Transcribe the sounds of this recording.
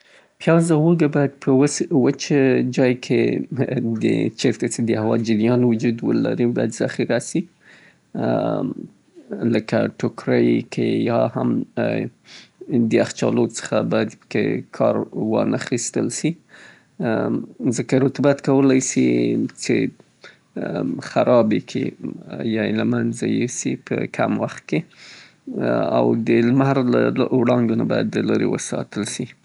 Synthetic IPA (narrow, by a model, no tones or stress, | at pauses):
pjɑzawoɡabɑjad̪̚pʰəwəswət͡ʃəd͡ʒɑjkʰe | d̪ə̰t͡ʃeɾt̪at͡sed̪əhawɑd͡ʒɪɾjɑnwʊd͡ʒud̪wə̰la̰ɾibɑ̰jad̪zɑxiɾasi | ləka̰ʈʊkɾəjkʰḛjɑha̰m | d̪əaxt͡ʃɑ̰lot͡sə̥xabɑjad̪pə̥kḛkʰɑɾwɑnaxist̪əlʃi | zəkaɾʊt̪bat̪kawəlajsit͡ʃe | xaɾɑbekʰḛjɑelamanzajesḭpə̰kʰa̰mwaxt̪̚ke | a̰wd̪əlmaɾlawɽɑŋɡonabɑjad̪ːəlaɾḛwə̰sɑ̰t̪əlʃi